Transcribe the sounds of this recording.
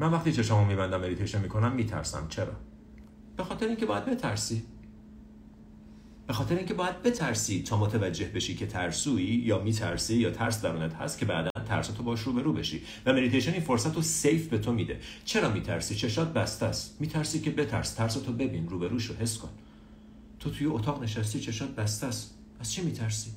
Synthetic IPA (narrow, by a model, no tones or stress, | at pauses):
mænvæxχt̪it͡ʃʰeʃɑmɒmiːbænd̪æmːe̞d̪it̪ʰejʃo̞nmiːkʰo̞næmːiːt̪ʰæ̰ɾsæ̰mt͡ʃʰe̞ɾɒ̰ː | b̥e̞xɒːt̪e̞ɾeiːŋcʰeɒːjæd̪̚be̞t̪ʰæɾsi | b̥e̞xɒːt̪ʰe̞ɾeiŋcʰe̞bɒːjæd̪̚be̞t̪ʰæɾsiːt̪ʰɒːmot̪ʰevæd͡ʒːe̞hbe̞ʃiːcʰe̞t̪ʰæɾsuːijɒːmiːt̪ʰæ̰ɾsiːjɒːt̪ʰæɾsd̪æɾuːnæt̪hæ̰st̪̚cʰe̞bæ̰ːd̪ænt̪ʰæ̰ɾsot̪ʰobɒːʃɾuːbe̞ɾuːbe̞ʃḭ | væme̞d̪it̪ʰejʃeniːnfo̞ɾsæt̪ʰose̞jfbe̞t̪ʰomiːd̪e̞̰t͡ʃʰe̞ɾɒːmiːt̪ʰæ̰ɾsiːt͡ʃʰe̞ʃɒːt̪̚bæst̪æst̪miːt̪ʰæɾsi̥ːkcʰe̞be̞t̪ʰæ̰ɾst̪ʰæɾst̪ʰobe̞biːnruːbe̞ɾuːʃohe̞sːko̞n | t̪ʰot̪ʰujeot̪ʰɒːɣne̞ʃæs̬t̪iʃe̞ʃɒːt̪̚bæst̪æs | æz̥t͡ʃʰimiːt̪ʰæɾsiː